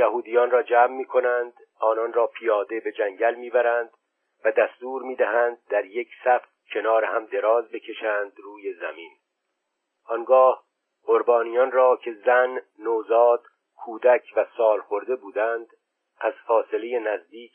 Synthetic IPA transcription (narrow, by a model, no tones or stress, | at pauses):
jæhuːd̪ijɒːnrɒːd͡ʒæːmːiːkʰo̞nænd̪ | ʔɒːnɒnrɒːpʰijɒːd̪e̞be̞d͡ʒæŋɟælmiːbæɾænd̪̥ | væd̪æst̪uːɾmiːd̪æɦænd̪̚d̪ːæɾjecʰsæft̪cʰe̞nɒːɾehæmd̪e̞ɾɒːzbe̞cʰe̞ʃæːnd̪ruːje̞zæmin | ʔɒnɡɒːh | oɾbɒːnijɒnrɒːcʰe̞zænːoːzɒːd̪̥ | kʰuːd̪æcʰvæsɒːlχo̞ɾd̪e̞buːd̪ænd̪ | ʔæz̥fɒːse̞leje̞næzd̪iːc